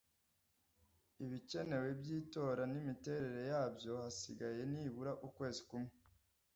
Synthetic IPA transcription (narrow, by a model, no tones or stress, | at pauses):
iβice̞ne̞we̞bjiːto̞ːɾanimite̞ɾe̞ɾe̞jaːbjo̞hasiɡaje̞niβuɾaʔukwe̞ːzikumŋe